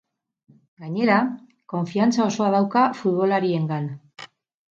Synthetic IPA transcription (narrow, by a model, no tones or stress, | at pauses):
ɡaɲe̞ɾa | ko̞ɱfiant͡sao̞so̞að̞awkafut̪βo̞laɾie̞ŋɡan